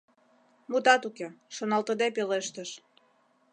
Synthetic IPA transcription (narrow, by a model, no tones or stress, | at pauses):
mut̪ɑt̪ukeʃonɑlt̪əd̪epeleʃt̪əʃ